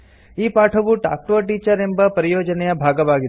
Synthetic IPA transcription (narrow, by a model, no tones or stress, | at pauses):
iːpaʈʰɐʋuʈa̰k̚ʈoʈiːt͡ʃəɾembɐpɾɐjoːd͡ʒɐnejɐbʱaɡɐʋaɡi